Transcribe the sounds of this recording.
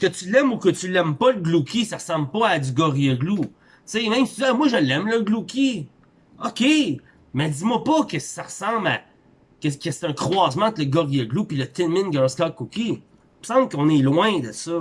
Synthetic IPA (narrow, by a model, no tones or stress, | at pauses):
kʲət̪ylɛmukət̪ylɛmpʌləɡlukʰʲisaʁsɑ̃blpɔadzyɡɔʁijɛɡlu | t͡semɛ̃msɛmwaʒəlɛmləɡlukʲi | ɔkʲe | mɛdd͡z̪imwapʌkəsaʁəsɑ̃bla | kəkəse̥t̪ɛ̃kχwɑːzmãɑ̃t̪ləɡɔʁijəɡlupilət̪ɪnmɪnɡɑɹskɑkokʲi | məsɑ̃blkɔ̃nelwɛ̃d̪əsɔ